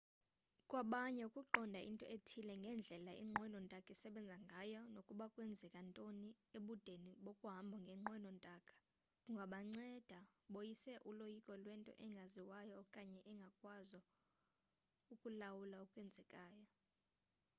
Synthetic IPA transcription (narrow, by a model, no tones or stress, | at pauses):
kʼwaɓaɲɛukʼuǃɔndʱaʔḭntʼɔ̰ʔetʰilɛŋɡʱɛnd͡ɮʱɛlaḭŋ͡ǃʱwɛnɔntʼakʼɛsɛɓɛnd͡zʱaŋɡʱajɔnokʼuɓakʼwɛnd͡zʱɛkʼantʼoni | eɓud̥ʱeniɓokʼuɦambʱɔŋɡʱɛŋ͡ǃwɛnɔntʼakʼḁ | kʼuŋɡʱaɓaŋ͡ǀɛd̥ʱaɓojisɛʔulojikʼɔlwɛntʼɔ̰ʔɛŋɡʱaziwajɔkʼaɲɛʔɛŋɡʱakʼwazɔ | ukʼulawulaukʼwɛnd͡zʱɛkʼaːjɔ